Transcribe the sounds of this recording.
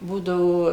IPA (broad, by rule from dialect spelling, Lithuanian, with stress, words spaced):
ˈbuːdɐʋoː